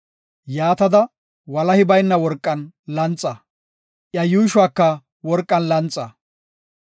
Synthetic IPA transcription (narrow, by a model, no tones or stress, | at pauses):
jaːt̪ɐd̪ɐ | wɐlɐhɪbɐjnːɐwɔɾkʼːɐnlɐnt͡sʼːɐ | ʔjɐjuːʃʊwaːkːɐ | wɔɾkʼːɐnlɐnt͡sʼːɐ